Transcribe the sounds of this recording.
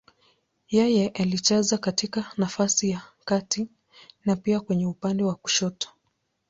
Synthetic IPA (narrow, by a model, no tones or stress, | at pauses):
jɛjɛʔalit͡ʃazakatikanafasijakati | napiakwɛɲɛupandɛwaku̥ʃɔtɔ̥